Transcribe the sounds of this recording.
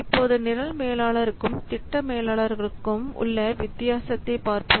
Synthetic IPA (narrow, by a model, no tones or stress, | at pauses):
ɪpːoːðɯnɪɾɐlmeːlaːɭɐɾɯkːɯmt̪ɪʈːɐmeːlaːɭɐɾɣɐɭɯkːɯmʊ̰ɭːɐʋɪt̪ːɪjaːsɐt̪ːɐɪpaːɾpɯ